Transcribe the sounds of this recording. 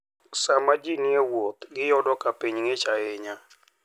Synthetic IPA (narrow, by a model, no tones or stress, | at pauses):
samad͡ʒinjewot̪ɡɪjɔdɔkapiɲŋɪt͡ʃaɪɲa